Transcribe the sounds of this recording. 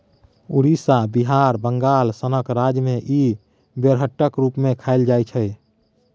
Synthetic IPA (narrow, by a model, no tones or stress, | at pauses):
uɾisabiɦaɾbəŋɡalsənəkɾad͡ʒmeʔi | beɾɦəʈːəkɾupmekʰaɪld͡ʒajt͡ʃʰɛj